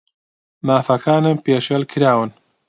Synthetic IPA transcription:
maːfɐkʰaːnempeːʃɐlkʰɨɾaːwɨn

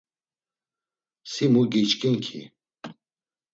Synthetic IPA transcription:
simuɡit͡ʃkʼiŋkʰḭ

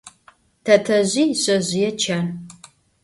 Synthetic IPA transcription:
tʰɐtʰɐʑiːɕʼɐʑɪjɛt͡ʃʰan

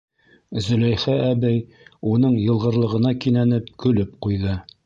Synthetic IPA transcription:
zɵ̆læjχæʔæbæj | unɤɴjɤ̆lˠʁɤ̆ɾlˠɤ̆ʁɤ̆nɑkinænɘp̚kɵ̆lɵp̚qujðɤ

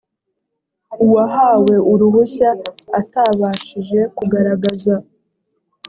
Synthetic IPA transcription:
uwaɦawe̞ʔuɾuhuçaːtaβaːʃiʒe̞kuɡaɾaɡaza

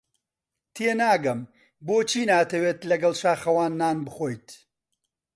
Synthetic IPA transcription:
t̪ʰeːnaːɡɐm | boːt͡ʃʰiːnaːt̪ʰɐweːt̪lɐɡɐlˠʃaːxɐwaːnːaːnbɨxoːjt̪

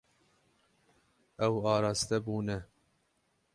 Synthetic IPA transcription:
ɛwɑːɾɑːst̪ɛbuːnɛ

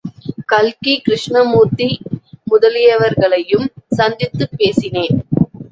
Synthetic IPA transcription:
kɐlkikɾɪʂɳɐmuːt̪imʊðɐlɪjɐʋɐɾɣɐɭɐjɯmsɐnd̪ɪt̪ːɯpːeːsɪneːn

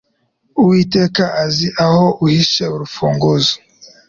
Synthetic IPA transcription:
uwiːteːkaʔaziʔahoʔuhiʃeuɾufuːŋɡozo̥

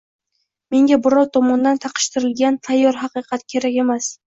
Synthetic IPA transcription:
me̞ŋɡʲabʊɾɒwt̪ʰɒmɒnd̪ant̪ʰɑqʰɨ̥ʃt̪ʰɪɾɪlɡʲant̪ʰajːɒɾɦɑqɨqʰɑt̪kʲʰe̞ɾakʲe̞mas

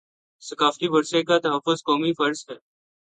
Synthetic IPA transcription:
səkaːft̪iːbʊɾsekaːt̪ɐɦəfːʊzkɔːmiːfɐɾzɦɛː

